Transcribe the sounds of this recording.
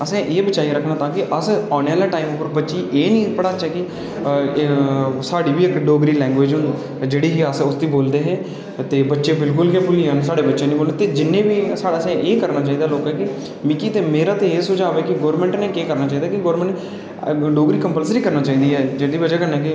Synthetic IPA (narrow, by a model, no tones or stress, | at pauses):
əsẽːʔeːbət͡ʃaːiɾəkʰnãːt̪ãːkɪʔəsaːnaːlaːʈaːiːmʊpːəɾbətːʃiːʔeːnĩːpəɽaːt͡ʃːɛːkɪ | saːɽiːʋiːɪkɖoːɡɾiːlɛ̃ːŋɡʋeːd͡ʒɦʊn | d͡ʒeːɽiːɦiəsʊsd̪iːboːld̪eːɦɛː | t̪eːbətːʃeːbɪlkʊljãːpʊliːnesaːɽeːbətːʃeːnĩːboːlet̪eːd͡ʒɪnːẽːʋiːsaːɽaːsẽːʔeːkəɾnaːt͡ʃaːiːd̪aːloːkɦɛːkɪ | mɪkiːt̪eːmeːɾaːt̪eeːsʊd͡ʒaːʋeːkɪɡoːɾmɛ̃ɳʈneːkeːkəɾnaːt͡ʃaːiːd̪aːkɪɡoːɾmɛ̃ɳ | ɖoːɡɾiːkəmpəlsɾiːkəɾnaːt͡ʃaːiːd̪iːɦɛːd͡ʒed̪iːbət͡ʃaːkəɾneːkɪ